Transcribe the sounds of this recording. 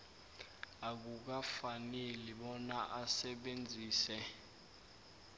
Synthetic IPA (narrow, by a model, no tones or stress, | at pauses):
ak̬uk̬afaneliɓɔnaʔasɛɓend͡zʱiːsɛ